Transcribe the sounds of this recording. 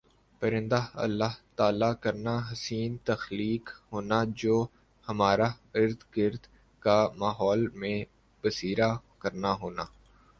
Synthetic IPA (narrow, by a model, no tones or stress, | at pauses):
pəɾɪ̃nd̪aɐ̰lːaɦt̪aːlakəɾnaɦɐsiːnt̪ɐxliːkɦoːnad͡ʒoː | hɐmaːɾaɪɾd̪ɡɪɾd̪ | kamaːɦɔːlmẽ | bəsiːɾakəɾnaɦoːnaː